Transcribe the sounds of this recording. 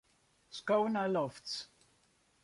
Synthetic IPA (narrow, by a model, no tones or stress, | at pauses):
skoʊnalɔfts